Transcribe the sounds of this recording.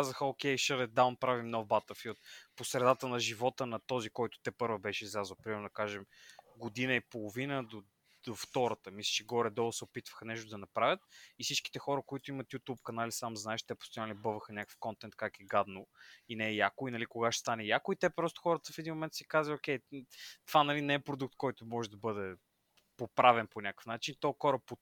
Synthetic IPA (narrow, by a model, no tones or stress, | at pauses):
kazəxəokʲɛjʃəɾɛd̪awnpɾavimnɔvbat̪əfiot̪̚posɾɛd̪at̪ənɐʒivɔt̪ənɐt̪ɔzikɔjt̪ʊ̥t̪ɛpɤɾvəbɛʃɛizlʲazəlpɾimɛɾnʊd̪ɐkaʒɛmɡod̪inəipolˠovinəd̪o | d̪̥oft̪ɔɾɐt̪əmislʲə̥t͡ʃɛɡɔɾɛd̪ɔvˠəsɛopit̪və̥xɐnɛʃt̪ʊd̪ɐnɐpɾavʲət̪ifsit͡ʃki̥t̪ɛxɔɾəkoit̪ʊimɐt̪jut̪upkɐnalisamznaɛʃt̪ɛpo̥st̪ʊjanlʲibɤvəxənʲakə̥fkɔnt̪ɛnt̪̚kakɛɡad̪noinɛːjakʊinɐlikoɡaʃɛ̥st̪anɛjakʊit̪ɛpɾɔst̪o̥xɔɾət̪əfɛd̪inmomɛnt̪sɛkazliokʲɛjt̪ovanɐlinɛɛpɾod̪uk̚t̪kɔjt̪omɔʒɛd̪ɐbɤd̪ɛ | popɾavɛnponʲakə̥fnat͡ʃinit̪ɔjxɔɾəpo